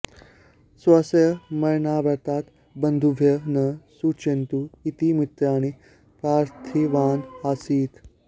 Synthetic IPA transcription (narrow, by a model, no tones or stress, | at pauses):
sʋəsjəmɐjɳaʋəɾt̪aːt̪ | bənd̪ʱubʱjənəsut͡ʃent̪uit̪imit̪ːaːɽ̃i | pɾaːɾt̪ʰiʋaːnhasiːt̪